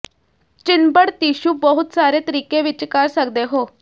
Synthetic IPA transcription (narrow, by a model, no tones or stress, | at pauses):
t͡ʃɪnbəɽt̪iːʃubəɦʊt̪saːɾet̪əɾiːkeʋɪt͡ʃkəɾsəkd̪eɦoː